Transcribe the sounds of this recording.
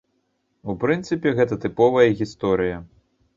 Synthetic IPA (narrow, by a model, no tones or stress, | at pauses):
upɾɨnt̪sɨpʲɛɣɛt̪ɐt̪ɨpɔvɐjɐɣʲist̪ɔɾɨjɐ